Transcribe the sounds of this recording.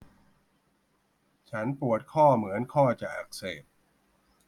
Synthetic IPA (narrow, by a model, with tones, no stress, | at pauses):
t͡ɕʰa˦˥npu˨˩ət̪̚kʰɔː˥˩mɯ˩˦ənkʰɔː˥˩t͡ɕa˨˩ʔa̰˨˩k̚seː˨˩p̚